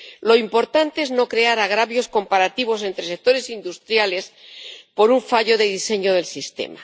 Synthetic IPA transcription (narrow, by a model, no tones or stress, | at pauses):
lo̞impo̞ɾt̪ant̪eezno̞kɾe̞aɾaɣ̞ɾaβjo̞sko̞mpaɾat̪iβ̞o̞s̬e̞nt̪ɾe̞sek̚t̪o̞ɾe̞sind̪ust̪ɾjale̞spo̞ɾuɱfaʎo̞ðeðise̞ɲo̞ðe̞lsist̪e̞̰ma̰